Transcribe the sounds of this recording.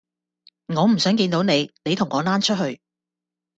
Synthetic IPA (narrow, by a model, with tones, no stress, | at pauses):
ŋɔː˨˧m̩˨˩sœː˨˥ŋkiː˧nt̪o˨˥wne˨˧jne˨˧jt̪ʰʊ˨˩ŋɔː˨˧naː˥nt͡ʃʰɵ˥t̚hɵ˧ɥ